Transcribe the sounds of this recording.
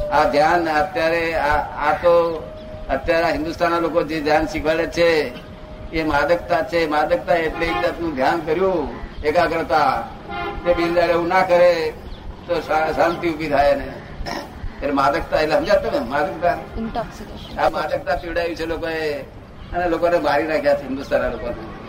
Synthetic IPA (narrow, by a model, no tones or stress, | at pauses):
ad̪ʱjanət̪jaɾeaat̪o | ət̪jaɾaɦɪ̃nd̪ust̪ʰanːalokod͡ʒed̪ʱjanʃikʰʋəɭet͡ʃʰeː | mad̪əkt̪at͡ʃʰemad̪ək̚t̪aeʈled̪at̪nũd̪ʱjankəɾjũekaɡɾət̪a | k̪ebind͡ʒaleũnakəɾe | t̪oaʃãnt̪iubʱit̪ʰajene | elemad̪ək̚t̪aeleɦəmd͡ʒat̪ːəmemad̪ək̚t̪a | amad̪ək̚t̪apiʋɽajũt͡ʃʰelokoe | ənelokonemaɾiɾakʰjat͡ʃʰeɦɪ̃nd̪ust̪ʰanːalokone